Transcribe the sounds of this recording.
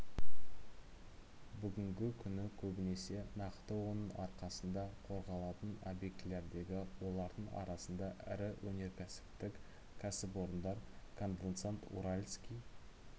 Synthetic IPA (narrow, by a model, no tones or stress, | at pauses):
bʏɡʲɪŋɡʲɪkʲʰʏnɪkʲʰɵbɪne̞se̞nɑqt̪əwo̞nəɴɑɾqɑsənd̪ɑqʰo̞ɾʁɑlˠɑt̪ənobje̞k̚t̪le̞ɾd̪e̞ɡʲɪwo̞lˠɑɾd̪əɴɑ̰ɾɑsənd̪ɑʔɪ̰ɾɪwʔɵne̞ɾkʲʰæsɪ̥p̚t̪ɪk | kʲʰæsɪp̬o̞ɾənd̪ɑɾkʰo̞nd̪ent̪sant̪ṵɾalʲskʲij